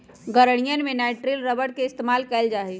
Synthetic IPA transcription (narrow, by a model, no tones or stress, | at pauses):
ɡəɾɽ̃ijənmẽnaːɪʈɾelɾəbəɽ̚keɪst̪eːmaːlkɛːld͡ʒaːɦi